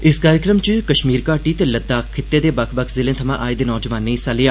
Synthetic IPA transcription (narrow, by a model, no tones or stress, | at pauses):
ɪskaːɾɪkɾəmt͡ʃəkəʃmiːɾkaːʈiːt̪eːləd̪aːkkʰːɪt̪ːeːd̪eːbəkʰbəkʰzɪlẽːt̪ʰəmãːʔaːid̪eːnɔːd͡ʒʋaːnːeĩːsaːlɪjaː